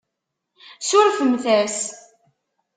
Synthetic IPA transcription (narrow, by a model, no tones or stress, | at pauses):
sʊɾfəmθæɾs